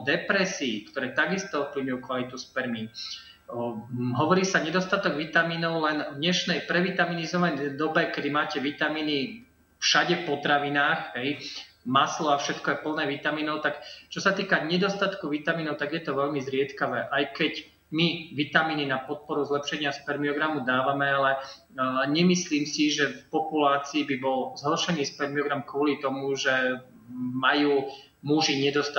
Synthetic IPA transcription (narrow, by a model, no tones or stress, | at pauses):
d̪ɛpɾɛsiːkt̪ɔɾɛːt̪aɡist̪ɔpl̩ɲujukʋalit̪uspɛɾmiːn | ɦɔʋɔɾiːsaɲɛd̪ɔst̪at̪ɔɡʋit̪amiːnɔʊlɛnɔd̪ɲɛʃnɛjpɾɛʋit̪aminizɔʋaɲd̪ɔbɛkɛd̪imaːcɛʋit̪amiːni | fʃaɟɛfpɔt̪ɾaʋinaːxɦɛjmaslɔafʃɛt̪kɔɛpl̩nɛːʋit̪amiːnɔʊt̪akt͡ʃɔsat̪iːkaɲɛd̪ɔst̪at̪kuʋit̪amiːnɔʊt̪aɡjɛt̪ɔʋɛʎmizɾɪɛt̪kaʋɛːʔajkɛc | miʋit̪amiːninapɔt̪̚pɔɾuzlɛpʃɛɲɪaspɛɾmiɔɡɾamud̪aːʋamɛalɛ | ɲɛmisliːmsiʒɛfpɔpulaːt͡siːbibɔlzɦɔrʃɛniːspɛɾmiɔɡɾamkʋɔlit̪ɔmuʒɛ | majuː | muʒiɲɛd̪ɔst̪a